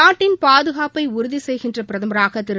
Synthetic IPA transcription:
aːʈːɪnpaːðɯɣaːpɐɪʊɾʊðisɛjɣɪndrɐpɪɾɐðɐmɐɾaːɣɐt̪ːɪɾ

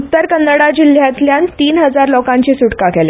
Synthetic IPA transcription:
ut̪ːəɾkənːəɽad͡ʑil̤jat̪ljant̪iːnɦəd͡zaɾlɔkãɲt͡ɕisuʈkakɛle

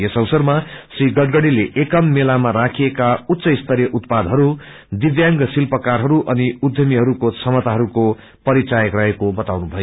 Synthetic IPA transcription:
jesʌwsʌrmasriɡʌɖɡʌɽileʔekʌmːelamaɾakʰiekaut̪ːsʌist̪ʰʌɾjʌʔut̪pad̪ʱɦʌɾu | d̪iʋjaŋɡsilpʌkarɦʌɾuʔʌniud̪ʱjʌmiɦʌɾukot͡sʰʌmʌt̪aɦʌɾuko | pʌɾit͡sajʌkrʌɦekobʌt̪awnubʱʌjo

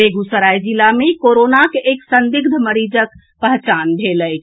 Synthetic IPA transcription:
eɡusəɾajd͡ʒilamekoɾonakeʔeksənd̪iɡ̚d̪ʱməɾid͡ʒək | pəɦt͡ʃanbʱeləjt͡ʃʰ

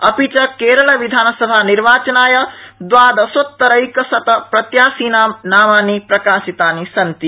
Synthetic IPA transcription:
ɐpit͡ʃɐkeːɾɐlɐʋid̪ʱaːnɐsɐbʱaːniɾʋaːt͡ʃɐnaːjɐd̪ʋaːd̪ɐsot̪ːɐɾɐjkɐsɐt̪ɐpɾɐt̪jaːsiːnaːmnaːmaːnipɾɐkaːsit̪aːnisɐnt̪i

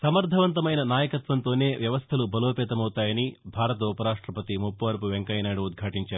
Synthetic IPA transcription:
sɐmɐɾd̪ʱɐʋɐnt̪ɐmɐjnɐnaːjɐkɐt̪ʋɐnt̪o̞ːne̞ːʋjɐʋɐst̪ʰɐlubɐloːpɛːt̪ɐmɐwt̪aːjɐnibʱaːɾɐt̪ɐupɐɾaːʂʈɾɐpɐt̪imupːɐʋɐɾpuʋeŋkɐjnaːɽuːd̪̚ɡʱaːʈiɲt͡ʃaːɾu

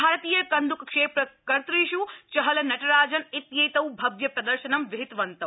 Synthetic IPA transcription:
aːɾɐt̪iːjɐkɐnd̪ʱukkʂeːpɾɐkɐɾt̪ɾiːʃut͡ʃɐɦɐlɐnɐʈɐɾaːd͡ʒɐnit̪jɐjt̪ɐwbʱɐʋjɐpɾɐd̪ɐɾʃɐnɐmʋɪɦɪt̪ʋɐnt̪ɐ

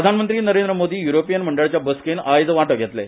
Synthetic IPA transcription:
ɾəd̪ʱanmənt̪ɾiːnəɾend̪ɾəmod̪iːjuɾopijənm̤əɳɖəɭt͡ɕjabəskenajd̪ʋaʈəʋɡʱet̪lḛ

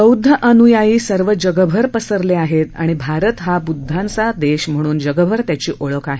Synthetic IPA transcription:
əwd̪ʱːəʔənujajiːsəɾʋəd͡ʑəɡəbʱəɾpəsəɾleaɦet̪a̰ɽ̃ibʱaɾət̪ɦabud̪ʱːãnt͡sad̪eɕm̤əɽ̃uːnd͡ʑəɡəbʱəɾt̪jat͡ɕiːʔoɭəkaɦe

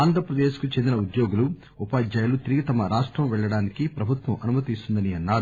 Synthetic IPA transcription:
aːnd̪ʱɾɐpɾɐd̪eːʃkut͡ʃend̪inɐud̪jo̞ːɡulu | upaːd͡ʒɐjɐlut̪iɾiɡit̪ɐmɐɾaːʂʈɾɐmʋɛɭːɐɽaːnikipɾɐbʱut̪ʋɐmʔɐnumɐt̪ist̪und̪ɐniɐnːaːɾu

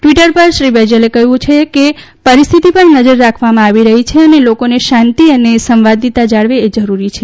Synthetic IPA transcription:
ʈʋiʈəɾpəɾʃɾibed͡ʒəlekəɦjũt͡ʃʰeke | pəɾist̪ʰit̪ipəɾnəd͡ʒəɾːakʰʋamãaʋiɾəɦit͡ʃʰeənelokoneʃãnt̪iənesəmʋad̪ʱit̪ad͡ʒaɭʋeːd͡ʒəɾuɾit͡ʃʰe

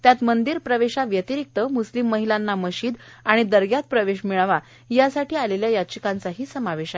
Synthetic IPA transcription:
t̪jat̪mənd̪iːɾpɾəʋeɕaʋjət̪iɾik̚t̪əmuslimːəɦilanːaməɕiːd̪aɽ̃id̪əɾɡjat̪̚pɾəʋeɕmiɭaʋa | jasaʈʰiːaleljajat͡ɕikant͡saɦiːsəmaʋeɕa

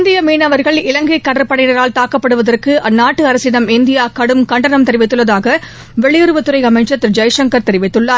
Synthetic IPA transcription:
nd̪ɪjɐmiːnɐʋɐɾɣɐɭɪlɐŋɡɐɪkːɐɽɐɾpːɐɽɐɪjnɐɾaːlt̪aːkɐpːɐɽɯʋɐðɐrkɯʔɐnːaːʈːɯɐɾɐsɪnɐmɪnd̪ɪjaːkɐɽɯmkɐɳɖɐnɐmt̪ɛɾɪʋɪt̪ːɯɭːɐðaːɣɐ | ʋɛɭɪjʊɾɯʋɐt̪ːɯɾɐɪɐmɐɪt͡ʃːɐt̪ːɪɾd͡ʒɐjʂɐŋkɐɾt̪ɛɾɪʋɪt̪ːɯɭːaːɾ

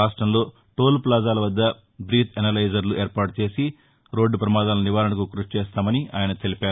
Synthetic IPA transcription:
aːʂʈɾɐmlo̞ː | ʈo̞ːlplaːd͡ʒaːlɐʋɐd̪ːɐ | bɾiːt̪ʰɐnɐlɐjd͡ʒɐɾluʔeːɾpaːʈut͡ʃeːsi | ɾo̞ːɖːpɾɐmaːd̪aːluniʋaːɾɐnɐkukɾut͡ʃt͡ʃeːst̪aːmɐnia̰ːjɐnɐt̪e̞lipaːɾ

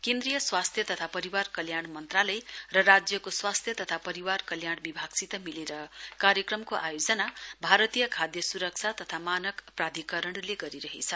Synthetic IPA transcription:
kẽnd̪rijʌswast̪ʰjʌt̪ʌt̪ʰapʌɾiwarkʌljaɽmʌnt̪ralʌjrʌrad͡zjʌkoswast̪ʰjʌt̪ʌt̪ʰapʌɾiwarkʌljaɽbibʱaɡ̥sit̪ʌmileɾʌkaɾjʌkrʌmkoʔajod͡zʌnabʱaɾʌt̪ijʌkʰad̪jʌsuɾʌk̚t͡sʰat̪ʌt̪ʰamanʌkprad̪ʱikʌɾʌɽ̃leɡʌɾiɾʌɦḛt͡sʰʌ

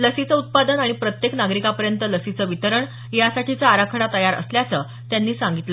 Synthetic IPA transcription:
ləsit͡səut̪̚pad̪ənaɽ̃ipɾət̪jeknaɡɾikapəɾjənt̪ələsit͡səʋit̪əɾəɳ | jasaʈʰit͡saːɾakʰəɽat̪əjaɾə̰sljat͡sə | t̪janːiːsaŋɡit̪lə

